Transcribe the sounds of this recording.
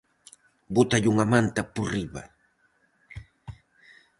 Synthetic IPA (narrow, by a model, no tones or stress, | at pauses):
bʊt̪aʎʊŋamant̪apʊrɪwa̰